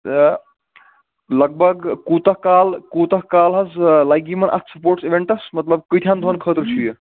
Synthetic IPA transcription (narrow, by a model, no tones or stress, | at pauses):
lɐɡ̚bʱɐɡkuːt̪ɐhkaːlkuːt̪ɐɦkaːlɦɐzlajɡimɐnʔɐ̰t̪ʰsɐpoːɾʈsiʋeɳʈɐsmɐt̪ləb̚kəjt̪ʰjaːnd̪ʱonkʰəːt̪əɾt͡ʃʰuje